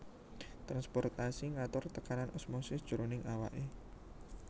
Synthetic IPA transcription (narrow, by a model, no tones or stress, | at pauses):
t̪ɾanspɔrt̪asiŋat̪ʊrt̪əkananʔɔsmosɪsd̥ʒ̥oɾonɪŋawa̰ʔe